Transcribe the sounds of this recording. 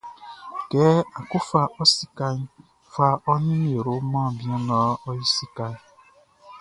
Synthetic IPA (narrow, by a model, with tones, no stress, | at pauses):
kɛ˨˦a˨ko˦fa˦ʔɔ˦si˦ka˦ɲ˦ | fa˦ɔ˦nĩ˦m˦e˨ɾo˨˦mɔ̃ː˦˨bi˦ẽ˦nɔ˦ɔ˦ji˦si˦ka˦ɲ˦